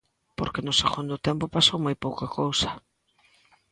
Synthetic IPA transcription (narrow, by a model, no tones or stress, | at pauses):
po̰ɾkenʊseɣund̪ʊt̪empʊpasowmajpowkakʰowsɐ̥